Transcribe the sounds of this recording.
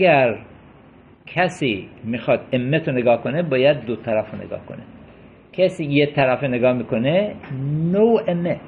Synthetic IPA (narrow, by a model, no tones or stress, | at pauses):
ɡæɾ | kʰæsimixɑd̪emːet̪ʰoneɡɑːkonebɑːjæd̪̚ːot̪ʰæɾæfonḛɡɑ̰ːhko̰ne | kʰæsiːjet̪ʰæɾæfeneɡɑːmiːkonenowemːe